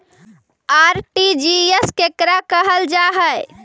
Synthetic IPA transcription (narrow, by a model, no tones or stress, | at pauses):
aɾʈid͡ʒieskekɾakəɦəld͡ʒaɦəj